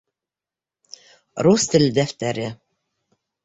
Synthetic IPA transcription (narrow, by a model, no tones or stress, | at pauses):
ɾust̪ɘ̆lʲd̪æft̪æɾɘ